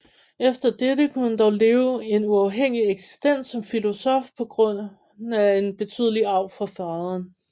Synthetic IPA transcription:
efd̥ɐd̥eɾəkʰund̥ɒʊleːʊe̝nuɑ̈ʊɦeŋ̰ieɡ̥si̥sd̥en̰sːɒ̽mfilo̝sɒfpʰɒ̽ɡ̥ʁɔ̽n̰ | æe̝nb̥e̝t͡sʰy̰ð̰ˠəliɑ̈ʊ̰fɒ̽fɑðˠɐn

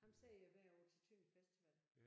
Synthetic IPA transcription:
hɑ̈msɛjæʋæɐ̰ɒːt͡sʰet͡sʰøifesd̥iʋæl̰

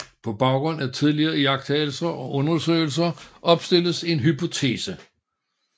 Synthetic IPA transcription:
pʰɒ̽b̥ɑ̈ʊɡ̥ʁɔ̽n̰æt͡sʰið̞ˠliɐːjɑ̈ɡ̥̚d̥hɛ̰ːl̩sɐʔɒ̽ʔɔ̽nɐsø̰ːɪl̩sɐʔɒ̽b̥sd̥e̝l̰əse̝nɦypʰo̝t͡sʰe̝̰ːsə

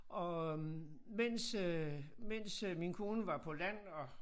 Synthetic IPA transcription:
ʔɒ̽ | men̰s | men̰sminkʰo̝ːnəʋɑ̈pʰɒ̽læn̰ɒ̽

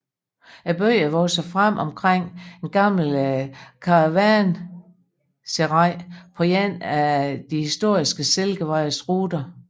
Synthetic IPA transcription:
æb̥øɪəʋɒsɐfʁam̰ʔɒ̽mkʰʁeŋ̰enɡ̥ɑ̈ml̩kʰɑ̈ʋæn | seʁɑ̈ɪ̰pʰɒ̽jen̰æd̥ihisd̥o̝ɐ̰isɡ̥əselɡ̥əʋɑ̈ɪsʁuːd̥ɐ

